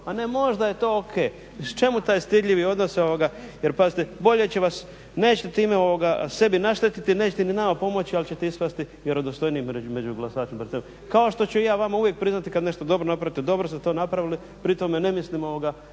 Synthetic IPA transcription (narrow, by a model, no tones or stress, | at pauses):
pane̞mo̞ʒd̪aje̞t̪o̞ːokʰe̞ː | t͡ʃe̞mut̪aːjst̪id̪ʎiʋio̞d̪noso̞ʋoɡajeɾpazit̪ebo̞ʎe̞t͡ɕeʋas | ne̞ːt͡ɕet̪et̪iːmeo̞ʋoɡase̞binaʃt̪et̪it̪ine̞ːt͡ɕet̪eninamapo̞mo̞t͡ɕialit͡ɕe̞t̪eispast̪i | jeɾod̪ost̪o̞jniːmeume̞d͡ʒuɡlasaːt͡ʃempɾet̪em | kao̞ʃt̪o̞t͡ɕuijaːʋamauvje̞k̚pɾiznat̪ikad̪ne̞ʃt̪od̪o̞bɾonapɾaʋit̪ed̪o̞bɾost̪et̪o̞ːnapɾaʋili | pɾit̪o̞mene̞mislimo̞ʋoɡa